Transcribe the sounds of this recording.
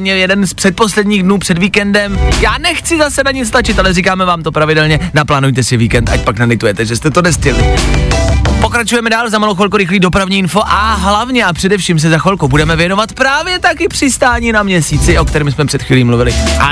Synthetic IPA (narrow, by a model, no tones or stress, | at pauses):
mɲɛljɛdɛnspr̥ɛt̪̚po̞slɛdɲiːɣdnuːpr̥ɛdviːkɛndɛmjaːnɛxt͡sɪzasɛnaɲɪt͡sst̪at͡ʃɪt̪ʔalɛriːkaːmɛvaːmt̪o̞pɾavɪdɛlɲɛnaplaːnujt̪ɛsɪviːkɛnt̪a̰cpaknalɪt̪ujɛt̪ɛʒɛst̪ɛt̪onɛscɛlɪ | po̞kɾat͡ʃujɛmɛdaːlzamaloxvɛlkoɾɪxliːdo̞pɾavɲiːɪnfo̞ʔaɦlavɲɛʔapr̥ɛdɛfʃiːms̬ɛzaxvɛlkowbudɛmɛvjɛno̞vat̪pɾaːvjɛt̪akɪpr̝̥ɪst̪aːɲiːnamɲɛsiːt͡sɪʔo̞k̚t̪ɛɾiːmsmɛpr̥ɛt̪xviːliːmluvɪlɪʔa